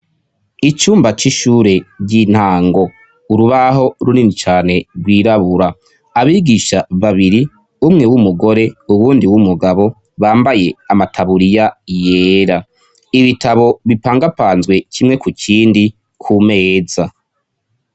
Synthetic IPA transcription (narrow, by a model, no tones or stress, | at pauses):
it͡ʃuːmbat͡ʃiʃuɾe̞ɟin̥haːŋɡo̞ | uɾuβaɦo̞ɾuninit͡ʃaːne̞ɾwiːɾaβuɾaː | βiːɡiʃaβaβiɾi | umŋe̞wumuɡo̞ɾe̞uβuːndiwumuɡaβo̞ | βaːmbaje̞amatʰaβuɾijajeːɾa | iβitʰaβo̞βipaːŋɡapaːnzɡwe̞kʰimŋe̞kukʰiːndi | kʰume̞ːza